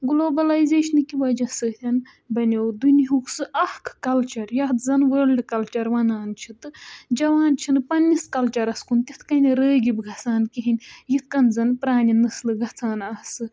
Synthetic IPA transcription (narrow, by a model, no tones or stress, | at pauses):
ɡloːbɐlajzeːʃɐnɨkiʋɐd͡ʒɐsɨt̪ʲɐn | bɐnʲowd̪uniɦuksɨʔɐhkʰkɐlt͡ʃɐɾjɐt̪zɐnʋəːlɖkɐlt͡ʃɐɾʋɐnaːnt͡ʃʰit̪ɨd͡ʒɐʋaːnt͡ʃʰinpɐnʲːiskɐlt͡ʃɐɾɐskunt̪it̪ʰkɐnʲiɾəːɡʲibɡʱɐt͡sʰaːnkiɦinʲjit̪̚ʰkɐnzɐnpɾaːnʲinɨslɨɡɐt͡sʰaːnɐsɨ